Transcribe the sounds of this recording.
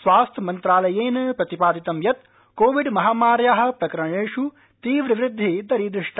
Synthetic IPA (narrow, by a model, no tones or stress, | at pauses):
sʋaːst̪ʰɐmɐnt̪ɾaːlɐjeːnɐpɾɐt̪ipaːd̪it̪ɐmjɐt̪ | koːʋiɖmɐɦaːmaːɾjaːɦɐ̆pɾɐkɐɾɐɳeːʂu | t̪iːʋɾiʋɾɪd̪ʱːid̪ɐɾiːd̪ɾiʂʈʰɐ